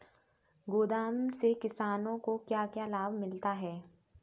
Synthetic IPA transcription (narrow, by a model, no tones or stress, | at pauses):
ɡoːd̪aːnsekɪsaːnõkokjaːkjalaːbmɪlt̪aɦɛː